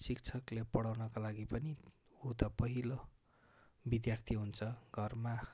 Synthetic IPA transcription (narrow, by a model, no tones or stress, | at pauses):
sik̚t͡sʰʌklepʌɽawnʌkalaɡipʌni | ut̪ʌpʌɦilo | bid̪jart̪ʰiɦunt͡sʰʌɡ̥ʱʌrma